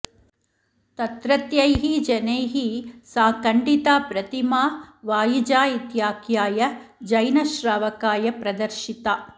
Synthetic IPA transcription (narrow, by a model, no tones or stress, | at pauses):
t̪ɐt̪ɾɐt̪jɐjɦid͡ʒɐnɐjɦisaːkɐɳɖit̪aːpɾɐt̪imaːʋaːjid͡ʒaːit̪jaːkjaːjɐd͡ʒɐjnɐʃɾaːʋɐkaːjɐpɾɐd̪ɐɾʃit̪a